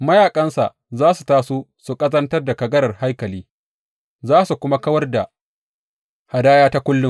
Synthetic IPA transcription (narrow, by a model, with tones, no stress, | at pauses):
mɐ˦jaː˨kʼɐ˦nsa̰˨ʔ | zaː˦su˨taː˦su˦su˨kʼɐ˦zɐ˦ntɐ˦rda˨kɐ˨ɡɐ˦ɾɐ˨rha˦jkɐ˨liː˦ | zaː˦su˨kʷʊ˦ma˦kɐ˦wɐ˦rda˨ | ha˨daː˦jaː˦ta˦kʷʊ˦lːʊ˦